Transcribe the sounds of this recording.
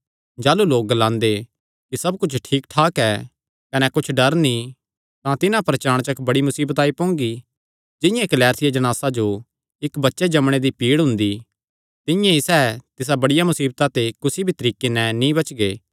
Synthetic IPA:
d͡ʒaːluloːk̚ɡɐlãːnd̪e | kisɐbkʊt͡ʃʰʈʰiːkʈʰaːkɛː | kɐnɛkʊt͡ʃʰɖɐɾnĩ | t̪ãt̪ɪnãpɾɐt͡ʃaːɽ̃t͡ʃɐkbɐɽimʊsiːbət̪aːipõːŋɡi | d͡ʒɪ̃jãkɐlɛːɾt̪ʰɪjad͡ʒɐɽ̃aːsad͡ʒo | ɪkbɐtːʃed͡ʒɐmɽ̃ed̪ipiːɽɦʊ̃nd̪i | t̪ɪ̃jãisɛːt̪ɪs̬abɐɽɪjamʊsiːbt̪at̪ekʊsibʱit̪ɐɾiːkːenɛnĩbɐt͡ʃɡeː

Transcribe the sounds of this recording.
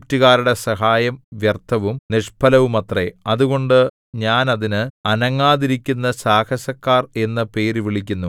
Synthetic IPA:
ktːiɣaːɾuɽe̞sɐɦaːjɐmʋjɐrt̪ʰːɐʋumniʂpʰɐlɐʋumɐt̪reɐðuɣo̞ɳɖɨ | ɲaːnɐðinɨɐnɐŋːaːðiɾikʲːunːɐsaːkɐɕɐkːaːre̞nːɐpe̞ːɾuʋiɭikʲːunːu

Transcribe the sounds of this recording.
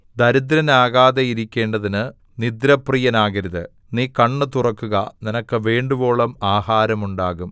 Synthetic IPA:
d̪ɐɾud̪ɾɐnaːɣaːðejiɾikʲːe̞ːɳɖɐðinɨ | nid̪ɾɐprijɐnaːɣɐɾiðɨ | niːkɐɳːɨt̪urɐkːuɣɐninɐkːɨʋe̞ːɳɖubo̞ːɭɐmaːhaːɾɐmuɳɖaːɣum

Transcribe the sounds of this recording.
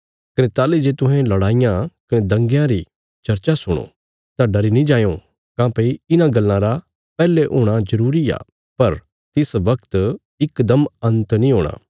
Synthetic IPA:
kɐnet̪aːled͡ʒeːt̪ʊ̃ɦɛ̃lɐɽaːɪjãkɐned̪ɐ̃ŋɡjãɾi | t͡ʃɐɾt͡ʃasʊɽ̃õ̰ | t̪aɖɐɾinĩd͡ʒaːjõ | kãːpɐiɪnãɡɐlːãɾa | pɛːleʔo̰ːɽ̃azɐɾuːɾia̰ː | pɐɾ | t̪ɪsʋɐkt̪ | ɪkd̪ɐmɐ̃nt̪nĩɦoːɽ̃ã̰ː

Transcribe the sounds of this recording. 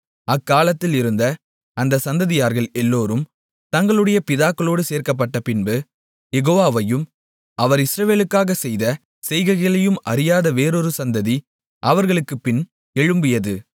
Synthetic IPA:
ɐkːaːlɐt̪ːɪlɪɾɯnd̪ɐ | ɐnd̪ɐsɐnd̪ɐðɪjaːɾɣɐɭɛlːoːɾɯm | t̪ɐŋɡɐɭɯɽɐjɐpɪðaːkːɐɭoːɽɯseːɾkɐp̬ːɐʈːɐpɪnbɯ | jɛɣoːʋaːʋɐjɯm | ɐʋɐɾɪsɾɐʋeːlɯkːaːɣɐsɛjðɐ | sɛjɣɐɣɐɭɐjɯmɐɾɪjaːðɐʋeːɾɔɾɯsɐnd̪ɐði | ʔɐʋɐɾɣɐɭɯkːɯpɪn | ɛɻɯmbɪjɐðɯ

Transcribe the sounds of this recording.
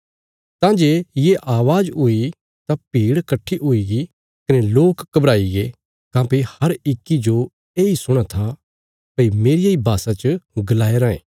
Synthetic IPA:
t̪ãːd͡ʒeːjeʔaːʋaːd͡ʒoi | t̪apiːɽkɐʈʰːiʔoiɡi | kɐneloːkːɐbɾaːiɡe | kãːpehɐɾɪkːid͡ʒo | eːisʊɽ̃at̪ʰa | pɐimeːɾɪjaibʱaːsat͡ʃəɡɐlaːeɾãːḛ̃ː

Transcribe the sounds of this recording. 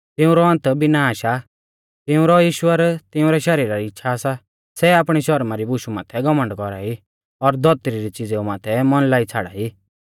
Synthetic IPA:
t̪ɪũɾɔɐ̃nt̪binaːʃa | t̪ɪũɾɔjiːʃwəɾt̪ɪʊ̃ɾɛʃɐɾiːɾaɾiɪtːʃʰaːsa | sɛaːpɽ̃iʃɔɾmaɾibʊʃuma̰ːt̪ʰɛɡɔmə̃ɳɖkɔɾai | ɔɾd̪ʱɔt̪ɾiɾit͡sɪd͡zeumaːt̪ʰɛmɔnlaːit͡sʰaːɽa̰i

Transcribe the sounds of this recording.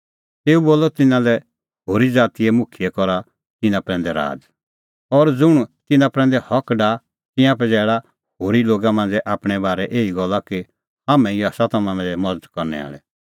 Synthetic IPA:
t̪eːuboːlɔt̪ɪnãlɛ | hoːɾid͡zaːt̪iɛmʊkʰijɛkɔɾa | t̪ɪnãpɾɛ̃ːnd̪ɛɾa̰ːd͡z | ɔɾd͡zʊɽ̃t̪ɪnãpɾɛ̃ːnd̪ɛhɔkɖa | t̪ɪ̃ãpɛd͡zɛːɽa | hoːɾiloːɡamãnd͡zɛʔaːpɽ̃ɛbaːɾɛʔeːiɡɔlːaki | aːmɛ̃iaːsat̪ɐmãmɛ̃ɛmɐd͡zəd̪kɔɾnɛ̰a̰ːɭɛ̰

